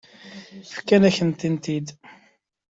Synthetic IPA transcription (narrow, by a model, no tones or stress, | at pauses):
fkːænæçənt̪int̪id̪